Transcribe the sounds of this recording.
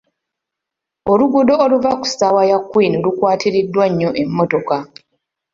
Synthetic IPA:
oluɡudo̞oluvaku̥sawajakːwiːnolukwaːtiɾidwaɲːoʔe̞mːoto̞ka

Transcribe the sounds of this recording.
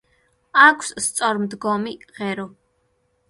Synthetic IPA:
akʷʰsst̪sʼɔɾmd̪ɡɔmiʁɛɾɔ

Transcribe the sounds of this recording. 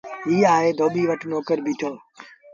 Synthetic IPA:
ɦiːaːɦeːd̪ʱoːɓiːʋəʈʰnoːkəɾbʱiːʈʰoː

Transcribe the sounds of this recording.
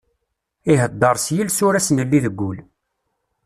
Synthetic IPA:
iɦəd̪ːəɾˤsjilsʊɾæsnəlːiðəɡʷːʊl

